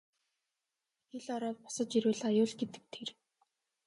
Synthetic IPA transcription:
xeɮɔɾɔːt̪̚pɔ̥sə̆t͡ɕiɾɘːɮajʊːɮɡet̪ɘ̆k̚t̪ʰer

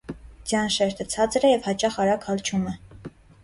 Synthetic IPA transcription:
d͡zjɑnʃɛɾt̪ʰət͡sʰɑt͡sɾɛjɛvhɑt͡ʃɑχɑɾɑkʰɑlt͡ʃʰumɛ

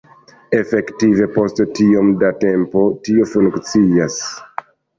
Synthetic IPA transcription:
e̞fe̞ktive̞po̞sttio̞mdate̞mpo̞tio̞fuŋkt͡sias

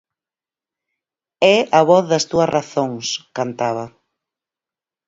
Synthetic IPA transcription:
ɛɐβɔθðɐst̪uɐrʔaθoŋskant̪aβ̞ɐ

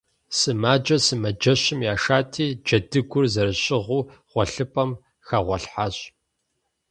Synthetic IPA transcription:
sɨmaːd͡ʒɐsɨmɐd͡ʒɐɕɪmjaːʃaːtʰiːd͡ʒɐdɨɡʷʊrzɐɾɨɕʼɪʁʷuːʁ̥ʷɔɬɨpʼɐm | xaːʁʷɔɬħaɕ

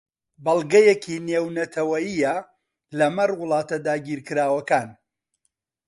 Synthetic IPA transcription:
bɐlˠɡɐjɛkʰineːwnɐt̪ʰɐwɐjijɐ | lɐmɐrwʊlˠɑːt̪ɐd̪aːɡiːɾkɨɾaːwɐkaːn

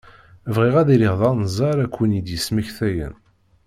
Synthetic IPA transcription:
vʁɪʁæðiɾiʁðˤɑnzˤɑɾækʷːənid̪jəsməçθæjə̰n

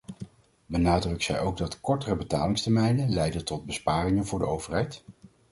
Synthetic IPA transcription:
bənaːdrɵksɛ̰jowɡ̚dɑtkɔɹtərəbətaːlɪŋstəɹmɛjnənlɛjdəntɔd̚bəspaːrɪŋənvʊːɹdəowvərɦɛjt

